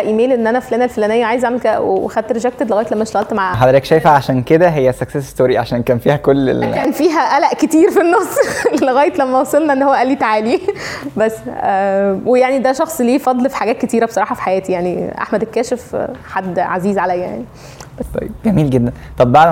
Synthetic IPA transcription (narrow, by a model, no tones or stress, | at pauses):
æʔiːmeːlʔenːʔænæflæːnælfolæːnejːæʕaːjezʕaʕmelkæ̰wḛwexæd̪̚t̪ɾeʃæk̚t̪ed̪leɣæːjet̪læmːæʃt̪æɣælt̪maʕħad̪ɾækʃæjfæʕaʃæːnked̪æɦejːæsæksesest̪oːɾiʕa̰ʃæːnkæːnfiːhækolːḛlæːnfiːɦæʔælæʔket̪iːɾfinːɑsˤlːeɣæːjet̪læmːæwɑsˤɑlnɑʔenːhowːæʔælːiːt̪aʕaːlibæsːʔæːwejaʕnid̪æʃɑxsˤliːfɑd̪ˤlfi̥ħaɡæːt̪̚ket̪iːɾæbesˤɑɾˤɑːħɑfi̥ħajæːt̪ijaʕniʔa̰ħmæd̪ekːæːʃefħad̪ːʕaziːzʕalæjːæjʕaʕni | t̪ɑ̰jeb̚ɡæmiːlɡed̪ːænt̪ˤɑbbaʕlæ